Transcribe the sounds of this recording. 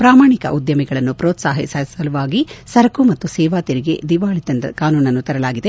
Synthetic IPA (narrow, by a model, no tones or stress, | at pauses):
pɾaːmaːɳikɐ̰ʔud̪jɐmɛɡɐɭɐnːupɾɔːt̪sa̰ːɦɛsɐsɐluʋaːɡisɐɾɐkumɐt̪ːusɛːʋaːt̪iɾiɡe̞̰d̪iʋaːɭit̪ɐnd̪ɐkaːnuːnɐnːut̪ɐɾɐlaːɡid̪e